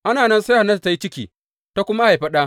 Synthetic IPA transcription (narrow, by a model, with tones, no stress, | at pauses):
ʔa˦naː˨nɐ˦nsa˦ha˨na˦ta˨ta˦ji˦t͡ʃɪ˦kʲḭː˨ | ta˦kʷʊ˦ma˦ha˨jɸɐ˦ɗaː˦